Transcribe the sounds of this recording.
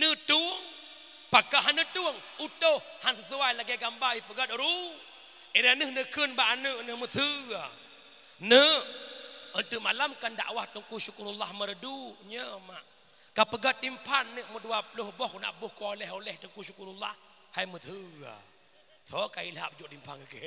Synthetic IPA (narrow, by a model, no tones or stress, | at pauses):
nət̪uəŋ | pakaʔɦanət̪uəŋut̪ohhansəsuwajlaɡaɡambaipəɡat̪̚əɾu | iɾanəhnəkənbaʔanəʔnəhmət̪ʰəa | nə | ənt̪uʔmalamkanda̰ʔwaht̪uŋkusukuɾulahməɾəduɲəmaʔ | kapəɡat̪̚dimpʰanːəʔməduapulohbɔhkuna̰ʔbuhkoolɛɦolɛht̪əŋkusukuɾulah | hajmət̪ʰəa̰ | t̪ʰɔkailɦa̰ʔp̚əd͡ʒuʔdimpʰanəke